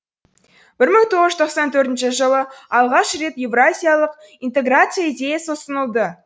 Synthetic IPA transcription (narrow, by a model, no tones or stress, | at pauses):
b̥ɪɾməɴt̪ʰoʁəzʒt̪ʰoqsɑnt̪ʰɵɾt̪ɪnʃɪʒəlˠəɑlˠʁɑʃre̞t̪je̞vrazʲijalˠəq | int̪e̞ɡrat̪sɨjaid̪ʲe̞jasəsənəlˠd̪ə